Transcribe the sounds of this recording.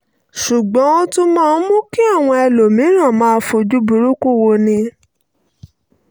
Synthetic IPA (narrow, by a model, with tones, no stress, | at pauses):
ʃu˨ɡ͡bɔ̃˨˦ɔ˦tũ˦mãː˦˧n̩˦mũ˦ki˦a˦˨w̃ɔ̃˧ɛ˧lo˨mĩ˨˦ɾ̃ã˦˨mãː˦˧˦fo˧d͡ʒu˦bu˧ɾu˦ku˦˨wo˧nĩ˧